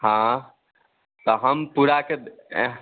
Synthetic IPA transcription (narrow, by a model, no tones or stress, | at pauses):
ɦã | t̪ɔɦəmpuɾaked̪